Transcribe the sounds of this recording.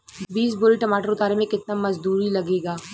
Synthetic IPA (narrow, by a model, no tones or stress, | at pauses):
biːs̬bʊliʈɐmaːʈəɾʊt̪aːɾemẽkɪt̪namɐzd̪uːɾilɐɡeːɡaː